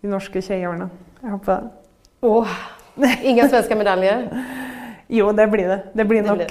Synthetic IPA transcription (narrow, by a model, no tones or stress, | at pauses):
d̪̥ɪnɔʂkəçɛɪoːɳə | æhopəd̪ɛ̰ | ɔ | ɪŋːənsʋɛnskəmɛd̪ɑljə | juːd̪ɛblɪɖ̪ɛd̪ɛblɪnɔkː